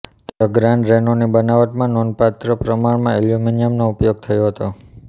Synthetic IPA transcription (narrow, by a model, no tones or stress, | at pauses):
t̪əɡɾãɳɖɾɛnonibənaʋəʈmãnɔnpat̪ɾəpɾəmaɳmãiljuminijəmnoupjoɡ̚t̪ʰəjoɦət̪o